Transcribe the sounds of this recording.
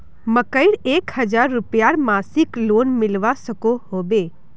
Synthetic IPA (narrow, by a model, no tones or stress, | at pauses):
məkəiɽekhəd͡ʒaɾːupjaɾmasiklonmɪlʋasəkoɦobe